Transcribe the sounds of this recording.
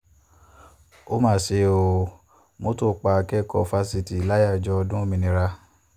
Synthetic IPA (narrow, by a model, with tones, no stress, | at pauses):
o˦mãː˦˨se˧˦o˨ | mo˦to˦˨k͡pa˧˨˧kɛ˦kɔ˦˨fa˦si˧ti˨la˦ja˦˨d͡ʒɔ˧dũ˦o˦mĩ˧nĩ˧ɾa˧